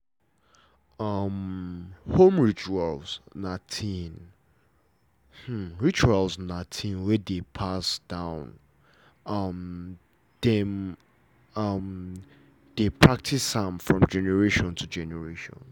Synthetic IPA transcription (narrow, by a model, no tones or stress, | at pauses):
ʌm | hõmɹit͡ʃualz̥natʰĩn | h̩ɹit͡ʃualˠznãɪtʰĩnwɛdepʰasd̥ãʊ̃n | ʌm | d̥ɛm | ʌm | d̥epʰɹak̚tʰisãmfɹɔ̃md͡ʒɛnɛɹeʃɔ̃ntʰud͡ʒɛnɛɹeʃɔ̰̃n